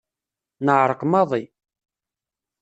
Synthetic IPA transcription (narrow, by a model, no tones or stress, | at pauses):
nəʕɾˤəqmɑðˤi